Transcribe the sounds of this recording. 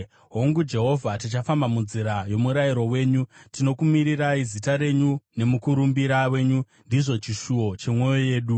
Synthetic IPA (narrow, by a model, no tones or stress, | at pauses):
ɦo̞ŋɡud͡ʒe̞ɦo̞vʱatit͡ʃafambamunziɾajo̞muɾajiɾo̞we̞ːɲutino̞kumiɾiraizitaɾe̞ɲune̞mukuɾumbiɾawe̞ːɲu | ndiʐo̞t͡ʃiʃuwo̞t͡ʃe̞mwo̞joje̞ːɗu